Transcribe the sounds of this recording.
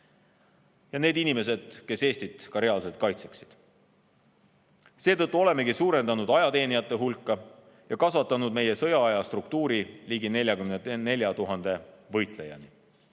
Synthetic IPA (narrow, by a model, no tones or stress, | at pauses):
jɑne̞ːd̪inime̞s̬e̞d̪̥ke̞se̞ːst̪it̪kɑɾe̞ɑlse̞lt̪̚kɑjt̪se̞ksid̪̥ | se̞ːt̪ɤt̪ːˑuo̞le̞me̞ɡisuːɾe̞nd̪̥ɑnud̪ɑjɑt̪e̞ːnijɑt̪ˑːe̞ɦulkːɑ | jɑkɑsvɑt̪ːˑɑnud̪̚me̞je̞sɤ̞jɑɑjɑst̪rukt̪uːɾiliːɡine̞lʲjɑkymnene̞lʲjɑt̪uɦɑnd̪e̞vɤjt̪ˑle̞jɑ̰ni